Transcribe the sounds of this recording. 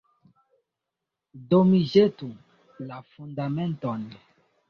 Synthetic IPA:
domiʒetu | lafundamẽntɔn

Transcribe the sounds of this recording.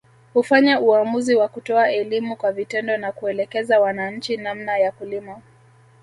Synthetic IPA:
hufaɲauamuziwakutɔaɛlimukwavitɛndɔnakuɛlɛkɛzawanaɲ̩t͡ʃinamnajakulima

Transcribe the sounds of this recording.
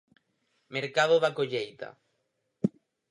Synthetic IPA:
meɾkaðoðakoʎejt̪a̰

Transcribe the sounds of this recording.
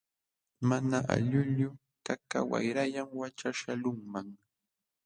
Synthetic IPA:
manaa̰ʎʊʎʊ | kaka̰wa̰jɾajamwat͡ʃaʃalʊŋmaŋ

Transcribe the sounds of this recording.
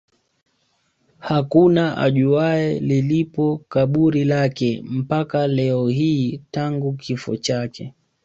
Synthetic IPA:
hakunaʔa̰ʄuaɛlilipɔkaɓuɾilakɛm̩pakalɛɔɦiːtaŋɡukʰifɔ̰t͡ʃakɛ

